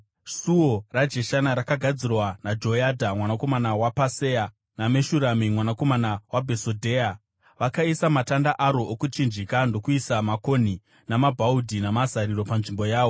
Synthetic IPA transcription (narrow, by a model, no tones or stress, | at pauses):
suorad͡ʒe̞ʃanaɾakaɡʱad͡zirwanad͡ʒo̞jadʱamwanako̞manawapase̞ja | nameʃuɾamimwanako̞manawabʱe̞sodʱe̞ːa | ʋakaisamatandaʔaɾo̞ʔokut͡ʃind͡ʒikando̞kuisamako̞ni | namabʱaudʱinamazaɾiɾo̞panʐimbo̞jaːʋo̞